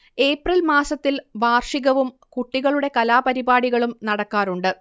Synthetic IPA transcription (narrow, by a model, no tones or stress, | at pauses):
e̞ːprilmaːsɐt̪ːilʋaːrʂiɣɐʋum | kuʈːiɣɐɭuɽe̞kɐlaːpɐɾibaːɽiɣɐɭumnɐɽɐkːaːɾuɳɖɨ